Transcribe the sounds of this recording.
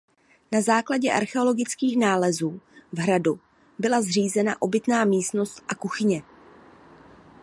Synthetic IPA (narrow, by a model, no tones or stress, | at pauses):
nazaːklaɟɛʔa̰ɾxɛo̞lo̞ɡɪt͡skiːxnaːlɛzuːvɦɾadu | bɪlazr̝iːzɛnaʔo̞bɪt̪naːmiːst̪no̞st̪ʔakuxɪɲɛ